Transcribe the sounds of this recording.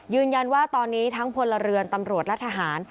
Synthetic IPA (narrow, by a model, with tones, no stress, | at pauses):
jɯː˧nja˧nwaː˥˩t̪ɔː˧nːiː˦˥t̪ʰa˦˥ŋpʰo˧nla˧ɾɯ˧ənt̪a˧mɾu˨˩ət̪̚lɛ˦˥t̪ʰa˧ɦaː˩˦n